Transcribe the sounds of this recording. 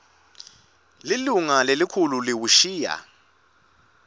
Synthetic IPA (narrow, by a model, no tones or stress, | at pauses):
liluŋalelikʰululiwuʃiːja̰